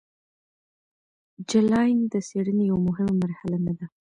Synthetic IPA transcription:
d͡ʒɪlɑjnd̪əseɽənejawamʊɦɪmamaɾhalanad̪a

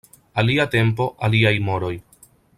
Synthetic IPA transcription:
aliate̞mpo̞ʔaliajmo̞ɾo̞j

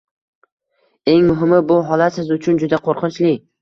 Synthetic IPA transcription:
e̞ŋmʊɦɪmɪbʊɦɒlat̪sɪzʊt͡ʃʰʊnd͡ʒʊd̪aqʰoɾqʰɨnt͡ʃlɪ

